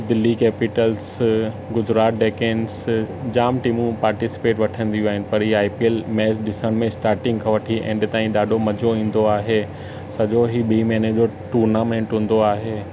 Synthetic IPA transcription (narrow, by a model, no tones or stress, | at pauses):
d̪ɪlːikɛːpɪʈəls | ɡʊzɾaːt̪̚ɖeːkẽːɳsd͡ʑaːmʈiːmũpaːɾʈɪsɪ̥peːʈʋɐʈʰə̃nd̪ijuaːɦɪnɪ̆pɐɾiːaːipiəlmɛːsɗɪsəɽ̃mẽsʈaːɾʈɪ̃ŋɡkʰɐ̃ʋɐʈʰiʔɛ̰̃ːɗɪt̪aːĩɗaːɗʱomɐd͡ʑʱoĩːn̆d̪oaːɦe | sɐʄoɦiɓiːmɛːned͡ʑoʈuːɾnaːmẽːɳʈɦũːn̆d̪oaːɦeː